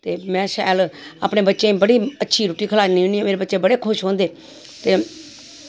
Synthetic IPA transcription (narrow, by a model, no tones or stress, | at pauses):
t̪eːmɛ̃ːʃɛ̰ːla̰ːpɳeːbətːʃẽːbəɽiːətːʃʰiːɾoːʈiːkʰəlaːnĩːniːaːmeːɾeːbətːʃeːbəɽeːkʰʊʃɦõːnd̪eː | t̪eː